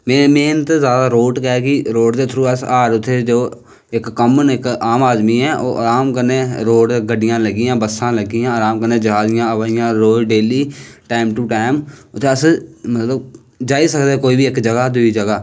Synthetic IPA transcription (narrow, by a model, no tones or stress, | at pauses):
mɛ̃ːmẽːnt̪ezjaːd̪aːɾoːʈkɛkiɾoːʈt̪eːt̪ʰɾuːɛsaːɾʊt̪ʰːed͡ʒoː | ɪkːəmənɪkaːmaːd̪miːɛːʔo̰ːʔəɾaːmkəɾneːɾoːɖɡəɖɪjãːləɡɪjãːbəsãːləɡijãːaɾaːmkəɾnːẽːd͡ʒəɦaːzɪjãːəʋaɪjãːɾoːɖeːliːʈaːɪmʈuːʈaːɪmʊt̪ʰːeːəsmət̪ləb | d͡ʒaːisəkd̪eɛːkoːiːbiːɪkd͡ʒəɡaːd̪ʊiːd͡ʒəɡaː